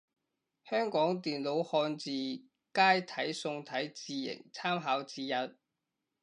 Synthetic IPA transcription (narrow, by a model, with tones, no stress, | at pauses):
hœː˥ŋkɔː˨˥ŋt̪iː˨nlo˨˥whɔː˧nt͡siː˨ | kaː˥jt̪ʰɐ˨˥jsʊ˧ŋt̪ʰɐ˨˥jt͡siː˨˧jɪ̰˨˩ŋt͡sʰaː˥mɦaː˨˥wt͡siː˧jɐ˧t̚